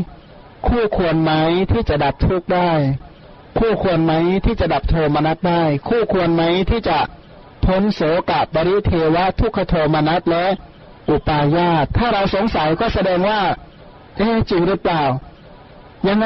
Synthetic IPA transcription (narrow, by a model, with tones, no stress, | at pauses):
kʰuː˥˩kʰu˧ənma˦˥jt̪ʰiː˥˩t͡ɕa˨˩da˨˩p̚t̪ʰu˦˥˩k̚daː˥˩j | kʰuː˥˩kʰu˧ənma˦˥jt̪ʰiː˥˩t͡ɕa˨˩da˨˩p̚t̪ʰoː˧maː˧na˦˥t̪̚daː˥˩jkʰuː˥˩kʰu˧ənma˦˥jt̪ʰiː˥˩t͡ɕa˨˩ | pʰo˦˥nsoː˨˩˦ka˨˩p̚ba˧ɾi˦˥t̪ʰeː˧wa˦˥t̪ʰu˦˥˩kʰːa˧t̪ʰoː˧maː˧na˦˥t̪̚lɛ˦˥ʔ | ʔu˨˩paː˧jaː˥˩t̪ʰːaː˥˩ɾa˧wso˨˩˦ŋsa˨˩˦jkɔː˥˩sa˧dɛː˧ŋwaː˥˩ | ʔeː˧˩t͡ɕi˧ŋɾɯ˦˥plaː˨˩w | ja˧ŋ